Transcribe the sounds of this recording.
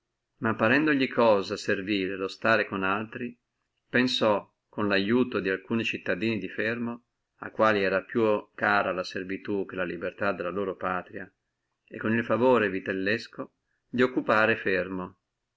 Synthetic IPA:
mapːaɾɛnd̪oʎikʰɔːzaserviːɾelost̪aːɾekonalt̪ɾi | pensɔ | kːonlajuːt̪od̪ialkuːnit͡ʃit̪ːad̪iːnid̪ifermo | a̰kːwaːliɛːɾapjukaːɾalaservit̪uk̟elalibert̪ad̪elːaloːɾopaːt̪ɾia | ekːonilfavoːɾevit̪elːɛsko | d̪iokːupaːɾefermo

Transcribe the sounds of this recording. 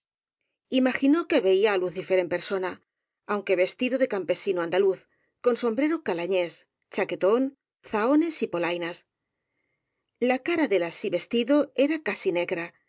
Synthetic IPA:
imaxino̞ke̞βe̞iaːluθife̞ɾe̞mpe̞ɾso̞na | awŋke̞βe̞st̪iðo̞ðe̞kampe̞sinoãnd̪aluθ | ko̞nso̞mbɾe̞ɾo̞kalaɲe̞s | t͡ʃake̞t̪o̞n | θao̞ne̞sipo̞lajnas | lakaɾaðe̞lasiβe̞st̪iðo̞e̞ɾakasine̞ɣɾa

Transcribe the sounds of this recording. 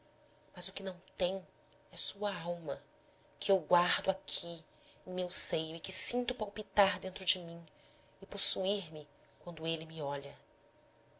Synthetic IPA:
mɐzʊkɪnɐ̃w̃t̪ẽj̃ | ɛsuɐawmɐ | kɪewɡwaɾd̪ʊakʰi | ẽj̃mewsejʊɪkɪsĩnt̪ʊpawpit̪aɾd̪ẽnt̪ɾʊd͡ʒɪmĩ | ɪposuiɾmɪ | kwɐ̃nd̪ʊelɪmɪɔʎɐ

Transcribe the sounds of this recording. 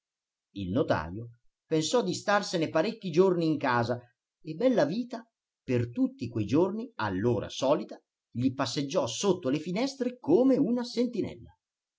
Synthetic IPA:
ilnot̪a̰ːɾjo | pensɔd̪ːist̪arsenepaɾekːid͡ʒorniːŋkaːza | ebːɛlːaviːt̪a | pert̪ut̪ːikwejd͡ʒornia̰lːoːɾa̰sɔːlit̪a | ʎipasːed͡ʒːɔsot̪ːolefinɛst̪ɾekoːmeunasent̪inɛ̰lːa

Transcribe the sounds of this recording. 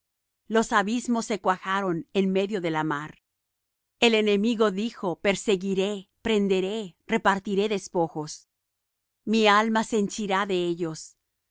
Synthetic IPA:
lo̞saβizmo̞sːe̞kwaxaɾo̞ne̞nme̞ðjo̞ðe̞lamaɾ | e̞le̞nemiɣo̞ðixo̞pe̞ɾse̞ɣiɾe̞pɾe̞nd̪e̞ɾere̞paɾt̪iɾe̞ðe̞spo̞xos | mialmaseːnt͡ʃiɾaðe̞eʝo̞s

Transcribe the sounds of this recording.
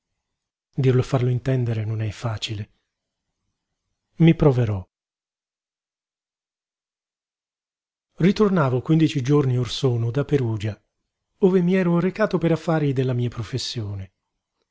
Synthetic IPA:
d̪irlofarloint̪ɛnd̪eɾenonɛfaːt͡ʃile | mipɾoveɾɔ | rit̪ornaːvokwind̪it͡ʃid͡ʒorniorsɔːnod̪apeɾuːd͡ʒa | oːvemiɛːɾoɾekaːt̪opeɾafːaːɾid̪elːamiːapɾofesːjoːne

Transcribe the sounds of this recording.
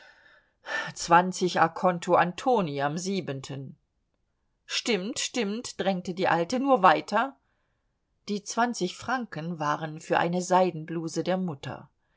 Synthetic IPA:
t͡sv̥ant͡sɪçakʰɔntʰoʔantʰoːniamziːbəntʰən | ʃtɪmtʃtɪmtd̥ʁɛŋtədiːʔaltənuːɐvaɪtʰɐ | d̥iːt͡sv̥ant͡sɪçfʁ̥aŋkənvaːʁənfyːɐʔa̰ɪnəzaɪdn̩bluːzədeːɐmʊtʰɐ̰

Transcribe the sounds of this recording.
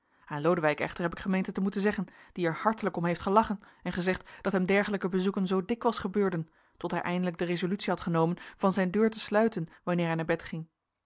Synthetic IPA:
aːnlowdəʋɛjkɛ̰χtəɹɦɛpɪkχəmejntətəmutənzɛχənd̥iɛɹhɑɹtələkɔmɦejftχəlɑχən | ɛnχəzɛχtd̥ɑtɦɛmdɛɹχələkəbəzukənzowdɪkʋɑlˠsχəbøːɹdən | tɔtɦɛjʔɛjndələɡ̚dərezolytsiɦɑtχənowmənv̥ɑnzɛjndøːɹtəslœɥtənʋɑnɪːɹɦɛjnaːɹbɛtχɪŋ

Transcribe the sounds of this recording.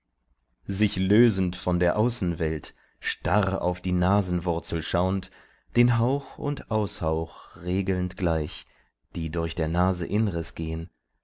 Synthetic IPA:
zɪçløːzn̩tfɔndeːɐʔaʊsn̩vɛlt | ʃtaʁa̰ʊfd̥iːnaːzn̩vʊɐt͡sl̩ʃaʊnt | d̥eːnɦaʊxʊ̰ntʔaʊshaʊxʁeːɡl̩ntɡ̥laɪç | d̥iːdʊɐçd̥eːɐnaːzəʔɪnʁɪsɡ̥eːən

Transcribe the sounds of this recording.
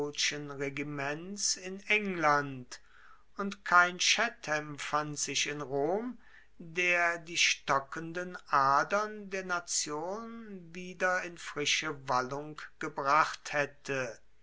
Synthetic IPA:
ʃənʁeɡimɛnsɪnɛŋlant | ʊntkʰaɪnʃɛtʰɛmfantz̥ɪʃɪnʁoːm | deːɐdiːʃtɔkəndənʔaɐdɐndeːɐnat͡sjoːnnviːdɐɪnfʁ̥ɪʃəvalʊŋkɡ̥əbʁaχthɛtʰə

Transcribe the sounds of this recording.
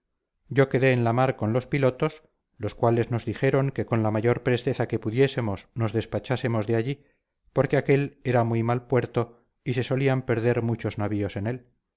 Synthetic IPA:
ɟ͡ʝo̞ke̞ðe̞ːnlamaɾko̞nlo̞spilo̞t̪o̞s | lo̞skwale̞zno̞zðixe̞ɾo̞ŋke̞ko̞nlamaʝo̞ɾpɾe̞st̪e̞θake̞puðje̞se̞mo̞snozðe̞spat͡ʃase̞mo̞zðeaʎi | po̞ɾke̞ake̞le̞ɾamujmalpwe̞ɾt̪o | ise̞so̞liampe̞ɾðe̞ɾmut͡ʃo̞znaβio̞se̞ne̞l

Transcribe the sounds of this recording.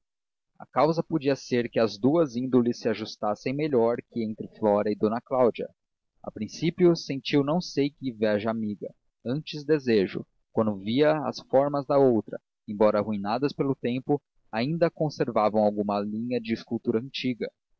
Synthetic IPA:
ɐ̰kawzɐpod͡ʒiɐseɾkɪɐzd̪uɐzĩnd̪olɪsːɪaʒust̪asẽj̃meʎɔɾkɪẽnt̪ɾɪflɔɾɐɪd̪õnɐklawd͡ʒiɐ̰ | a̰pɾĩsipjʊsẽnt͡ʃiwnɐ̃w̃sejkɪvɛʒɐamiɡɐ | ɐ̃nt͡ʃɪzd̪ezeʒʊ̰ | kwɐ̃nd̪ʊviɐɐ̰sfɔɾmɐzd̪ɐowt̪ɾɐ̰ | ẽbɔɾɐhuinad̪ɐspelʊt̪ẽmpʊ | aĩnd̪ɐkõseɾvavɐ̃w̃awɡũmɐlĩɲɐd͡ʒɪːskuwt̪uɾɐɐ̃nt͡ʃiɡɐ

